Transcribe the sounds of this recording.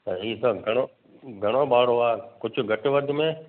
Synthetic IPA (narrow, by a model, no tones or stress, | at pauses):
t̪ɐiːsɐ̃ɡʱɐɽ̃o | ɡʱɐɽ̃oɓaːɽ̤oaːkʊd͡ʑʱʊ̆ɡʱɐʈɪʋɐd̪ʱmẽ